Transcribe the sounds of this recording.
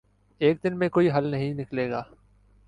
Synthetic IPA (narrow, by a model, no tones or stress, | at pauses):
eːk̚d̪ɪnmẽkoːiɦɐlnɐɦĩnɪkleːɡaː